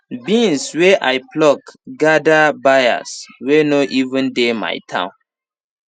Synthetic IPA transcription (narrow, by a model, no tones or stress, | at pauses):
bĩnsweʔajplɔkɡadabaja̰swenoʔivə̃ndema̰jtʰã̰ʊ̃n